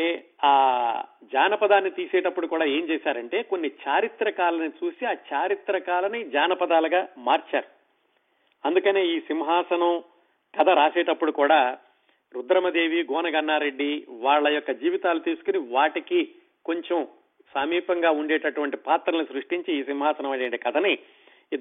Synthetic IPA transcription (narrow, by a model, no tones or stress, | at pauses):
eːaːd͡ʒaːnɐpɐd̪aːnːit̪iːsɛːʈɐpːuɽukuːɽaːe̞ːmt͡ʃɛːʃaːɾɐɳʈe̞ːkonːit͡ʃaːɾit̪ɾɐkaːlɐnit͡ʃuːsiaːt͡ʃaːɾit̪ɾɐkaːlɐnid͡ʒaːnɐpɐd̪aːlɐɡaːmaːɾt͡ʃaːɾu | ɐnd̪ukɐne̞ːiːsimɦaːsɐnɐm | kɐt̪ʰɐɾaːsɛːʈɐpːuɽukuːɽaː | ɾud̪ɾɐmɐd̪e̞ːʋiɡɔːnɐɡɐnːaːɾe̞ɖːiʋaːɭːɐjɔkːɐd͡ʒiːʋit̪aːlut̪iːsu̥kuniʋaːʈiki | ko̞ɲt͡ʃem | samiːpɐŋɡaːuɳɖɛːʈɐʈuʋɐɳʈipaːt̪ɾɐlnisɾuʂʈiɲt͡ʃiːsimɦaːsɐnɐmɐeɳʈikɐt̪ʰɐni